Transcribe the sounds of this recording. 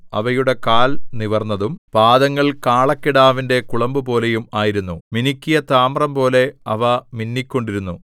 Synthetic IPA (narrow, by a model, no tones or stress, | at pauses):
ɐ̰ʋɐjuɽe̞kaːlniʋɐrnːɐðumpaːd̪ɐŋːɐɭkaːɭɐkːiɽaːʋinde̞kuɭɐmbupo̞ːle̞jumaːjiɾunːuminikʲːijɐt̪aːmrɐmpo̞ːle̞ɐʋɐminːikʲːo̞ɳɖiɾunːu